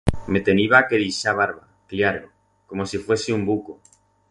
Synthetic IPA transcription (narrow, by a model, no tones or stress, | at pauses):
me̞t̪e̞niβakeðisaβ̞aɾβa | kljaɾo | ko̞mosifwe̞siumbuko